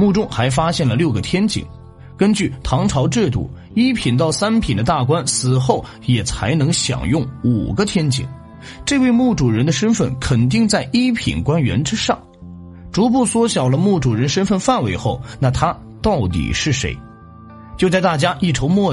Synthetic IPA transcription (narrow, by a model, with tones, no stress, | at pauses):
mu˥˩ʈ͡ʂʊ˥ŋxa˧˥ɪf̬a˥ɕjɛ˥˩nlə˩ljo˥˩ʊɡə˩t̪ʰjɛ˥nt͡ɕḭ˨˩ŋ | kə˥nt͡ɕy˥˩t̪ʰɑ˧˥ŋʈ͡ʂʰɑ˧˥ʊʈ͡ʂɻ̩˥˧t̪ṵ˥˩ | i˥pʰi˨˩nt̪̬ɑ˥˩ʊsa˥npʰi˨˩nd̪ə˦t̪a˥˩kwa˥nsɹ̩˨˩xo˥˩ʊ | jɛ˨˩t͡sʰa˧˥ɪnɤ˧˥ŋɕjɑ̰˨˩ŋjʊ˥˩ŋṵ˨˩ɡə˦t̪ʰjɛ˥nt͡ɕḭ˨˩˦ŋ | ʈ͡ʂɤ˥˧we˥˧ɪmu˥˩ʈ͡ʂu˨˩ɻə˧˥nd̪ə˧ʂə˥nfə˥˩nkʰə˨˩nt̪̬i˥˧ŋt͡sa˥˩ɪʔi˥pʰḭ˨˩nkwa˥nɥɛ̰˧˥nʈ͡ʂɻ̩˥ʂɑ˥˩ŋ | ʈ͡ʂu˧˥p̬u˥˩swɔ˥ɕjɑ˨˩ʊlə˦mu˥˩ʈ͡ʂu˨˩ɻə˧˥nʂə˥nfə˥˧nfa˥˩nwe˧˥ɪxo˥˩ʊna˥˩t̪ʰa˥ | t̪ɑ˥˩ʊt̪ḭ˨˩ʂɻ̩˥˩ʂḛ˧˥ɪ | t͡ɕjo˥˧ʊt͡sa˥˧ɪt̪a˥˩t͡ɕja˥ʔi˥˩ʈ͡ʂʰo˧˥ʊmwɔ˥˩